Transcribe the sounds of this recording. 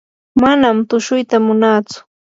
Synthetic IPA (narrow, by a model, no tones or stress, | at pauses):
manamt̪ʊʃʊjt̪amʊnaːt͡sʊ̥